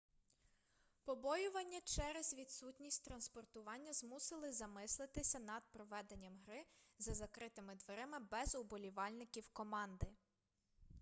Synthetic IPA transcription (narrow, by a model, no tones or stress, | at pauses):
pɔbɔjʊʋɐnʲːɐt͡ʃɛɾɛzʲʋʲid̪sutʲnʲisʲtʲt̪ɾɐnspɔrt̪ʊʋɑnʲːɐzmusɪlˠɪzɐmɪslˠɪt̪ɪsʲɐnɐd̪̚pɾɔʋɛd̪e̞nʲːɐmɦɾɪzɐzɐkɾɪt̪ɪmɪd̪ʋeɾɪmɪbɛzʊbɔlʲiʋɑlʲnɪkʲiwkɔmɑnd̪ɪ